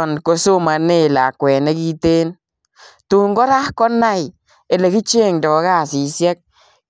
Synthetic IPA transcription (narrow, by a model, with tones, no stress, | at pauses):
ɔ˨nko˧su˦ma˨ne˦˨la˨kwe˨na˦ɡi˦t̪e˦n | t̪u˨ŋɡo˦ɾa˦hko˦na˦j | e˨le˨ɡi˦t͡ʃe˦˨ŋdɔ˨˦ɡa˦˨si˨sje˦k̚